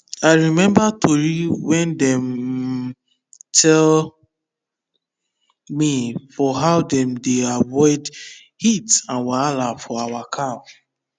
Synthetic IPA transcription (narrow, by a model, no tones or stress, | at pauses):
aɪɹimɛ̃mbatʰoɹiwɛ̃ndɛ̃m | tʰɛl | mifɔɦaʊdɛ̃mdeavɔɪd | hitãnwalafɔawakʰa